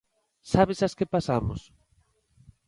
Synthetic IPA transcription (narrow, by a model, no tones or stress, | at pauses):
saβesaskepasamo̰s